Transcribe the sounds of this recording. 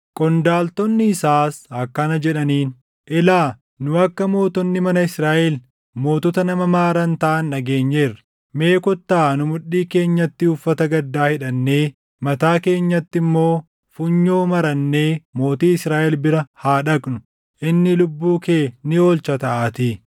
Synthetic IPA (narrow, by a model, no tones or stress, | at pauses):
kʼɔnd̪aːlt̪ɔnːɪɪsaːsɐkːɐnɐd͡ʒɛᶑɐniːn | ʔɛlaː | nʊɐkːɐmo̞ːt̪ɔnːɪmɐnɐɪsɾaːʔɛl | mo̞ːt̪ɔt̪ɐnɐmɐmaːɾɐnt̪ɐʔɐnːɐɡe̞ːɲːe̞ːrːɐ̥ | me̞ːkɔt̪ːaːnʊmʊɗiːke̞ːɲːɐt̪ːɪʊfːɐt̪ɐɡɐd̪ːaːhɪᶑɐnːe̞ː | mɐt̪aːke̞ːɲːɐt̪ːɪmːo̞ː | fʊɲːo̞ːmɐɾɐnːe̞ːmo̞ːt̪iːɪsɾaːʔɛlbɪɾɐhaːᶑɐkʼnʊ̥ | ʔɪnːɪlʊbːuːke̞ːnɪo̞ːlt͡ʃɐt̪ɐʔaːt̪iː